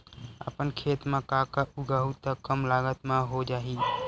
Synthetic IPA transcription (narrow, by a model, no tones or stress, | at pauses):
ə̰pənkʰet̪mekakəʔuɡəɦut̪əkəmlaɡət̪meɦod͡ʒaɦi